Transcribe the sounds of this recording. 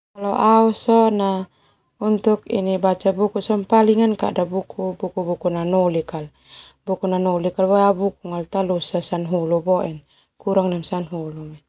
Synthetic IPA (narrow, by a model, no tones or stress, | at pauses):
kalɔʔausɔna | unt̪ukḭnibat͡ʃabukusɔmpaliŋanka̰ʔdabukʰubukubukunanɔlikal | bukunanɔlikalbaabuk̚uŋalt̪alusasanɦulubɔʔɛn | kuɾaŋnamsanɦulumɛ